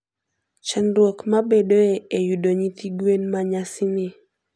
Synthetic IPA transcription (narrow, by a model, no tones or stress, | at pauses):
t͡ʃandwokmabeɗoeejuɗoɲitiɡwenmaɲasinɪ